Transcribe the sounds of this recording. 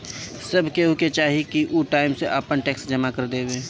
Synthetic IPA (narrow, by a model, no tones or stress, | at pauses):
sɐbʱkeɦoket͡ʃaːɦikiʔuʈaːɪmseʔaːpənʈɛːksd͡ʒɐmakɐɾd̪eːweː